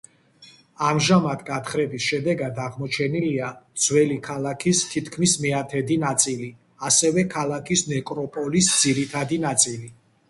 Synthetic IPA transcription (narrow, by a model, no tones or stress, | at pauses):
amʒamad̪ɡat̪ʰχɾɛbisʃɛd̪ɛɡad̪aʁmɔt͡ʃʰɛniliad̪z̥wɛlikʰalˠakʰist̪ʰit̪ʰkʰmismiat̪ʰɛd̪inat̪sʼili | asɛvɛkʰalˠakʰisnɛkʼɾɔpʼɔlisd̪z̥iɾit̪ʰad̪inat̪sʼili